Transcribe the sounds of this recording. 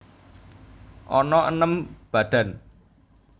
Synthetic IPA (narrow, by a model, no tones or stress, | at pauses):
ʔɔnɔʔənəmb̥a̤d̪̥ä̤n